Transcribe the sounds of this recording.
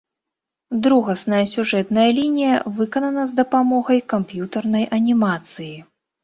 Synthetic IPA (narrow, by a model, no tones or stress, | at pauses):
d̪ɾuɣɐsnɐjɐsʲuʐɛt̪nɐjɐlʲinʲijɐvɨkɐnɐnɐzd̪ɐpamɔɣɐjkampjut̪ɐrnɐjʔɐnʲimat̪sɨji